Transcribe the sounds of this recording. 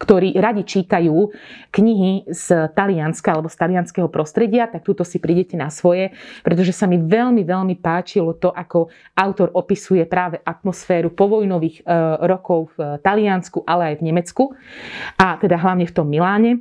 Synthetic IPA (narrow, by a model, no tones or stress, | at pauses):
kt̪ɔɾiːɾaɟit͡ʃiːt̪ajuːkɲiɦizt̪alianskaalɛbɔst̪alianskɛɦɔpɾɔst̪ɾɛɟɪat̪ak̚t̪ut̪ɔsipɾiːɟɛcɛnasʋɔjɛpɾɛt̪ɔʒɛsamiʋɛʎmiʋɛʎmipaːt͡ʃilɔt̪ɔʔakɔ | aʊt̪ɔɾʔɔpisujɛpɾaːʋɛʔat̪̚mɔsfɛːɾupɔʋɔjnɔʋiːɣɾɔkɔʊft̪alɪanskuʔalɛajvɲɛmɛt͡skuʔat̪ɛd̪aɦlaʊɲɛft̪ɔmːilaːɲɛ